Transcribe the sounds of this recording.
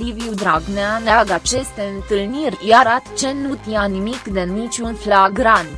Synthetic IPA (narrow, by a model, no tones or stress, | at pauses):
iviud̪ɾaɡneaneaɡat͡ʃe̞st̪eɨnt̪ɨlnirʲjaɾat̪t͡ʃe̞nut̪janimikd̪enit͡ʃʲunflaɡɾan